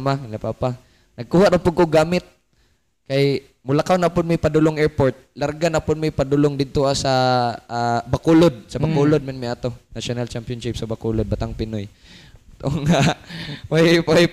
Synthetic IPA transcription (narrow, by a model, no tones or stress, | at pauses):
malapaːpa | nɐɡ̚kuːhaʔɾapʊɡkoɡaːmɪt̪̚ | kaj | mʊlakawnapʊnmʊjpad̪ʊloŋɛɹpoɾt̪̚laɾɡanapʊnmajpad̪ʊloŋd̪ɪd̪̚t̪oʔasa | bakulod̪̚sɐbakulod̪̚mɛnmɪʔat̪onaʃonalt͡ʃampjonʃɪp̚sɐbakulod̪̚bat̪aŋpɪnoj | t̪oʔoŋaʔpojpoj